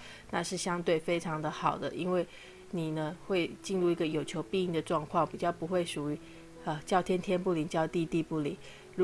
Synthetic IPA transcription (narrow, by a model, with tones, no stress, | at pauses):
na˥˧ʂɻ̩˥˩ɕjɑ˥ŋt̪we˥˩ɪfe˥ɪʈ͡ʂʰɑ˧˥ŋd̪ə˧xɑ˨˩ʊd̪ə̰˦ʔi˥nwe˥˩ɪ | ni˨˩nə˦xwe˥˧ɪt͡ɕi˥˧nɻu˥˩i˧˥ɡə˧jo˨˩ʊt͡ɕʰjo˧˥ʊpi˥˧i˥˩ŋd̪ə˩ʈ͡ʂwɑ˥˧ŋkʰwɑ˥˩ŋpi˨˩t͡ɕjɑ˥˩ʊpu˧˥xwe˥˩ɪʂu˨˩y˧˥ | ə˧t͡ɕjɑ˥˧ʊt̪ʰjɛ˥nt̪ʰjɛ˥npu˥˩li˨˩ŋt͡ɕjɑ˥˧ʊt̪i˥˧t̪i˥˧pu˥˩lḭ˨˩˦ | ɻu˧˥